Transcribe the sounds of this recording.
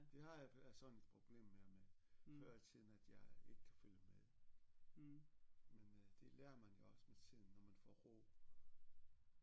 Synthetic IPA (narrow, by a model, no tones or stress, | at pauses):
d̥e̝ɦɑ̈æsɒ̽ne̝d̥̚pʰʁo̝b̥le̝̰ːmmemeføːɐt͡sʰið̰ˠn̩æd̥jɑ̈ɪe̝ɡ̥ə̥kʰæ̥føljəmeðˠ | mend̥e̝lɛːɐmænjo̝ɒ̽smet͡sʰið̰ˠn̩ːɒmænfɒ̰ːʁo̰ː